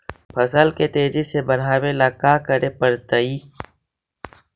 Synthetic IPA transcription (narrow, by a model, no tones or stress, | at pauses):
pʰɐsəlket̪eːd͡ʒisebɐɽ̤ɦaːwelaːkaːkəɾepəɾt̪əiː